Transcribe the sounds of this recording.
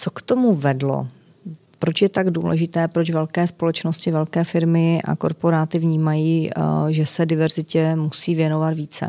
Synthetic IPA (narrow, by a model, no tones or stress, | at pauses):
t͡sokt̪omuvɛdlo̰ | pɾot͡ʃjɛt̪aɡdṵːlɛ̰ʒɪt̪ɛːpɾot͡ʃvɛlkɛːspo̞lɛt͡ʃnoscɪvɛlkɛːfɪɾmɪʔa̰ko̞̰ɾpo̞ɾaːt̪ɪvɲiːmajiːʒɛsɛdɪvɛɾzɪcɛmusiːvjɛnovat̪viːt͡sɛ̰